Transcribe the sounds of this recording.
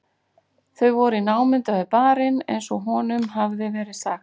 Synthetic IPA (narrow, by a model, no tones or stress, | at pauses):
θœɥvɔɾʏinaːwmɪnt̪aʏpaːɾɪnḛjnsɔɦɔnʏmɦavðɪvɛːɾɪðsaxt̪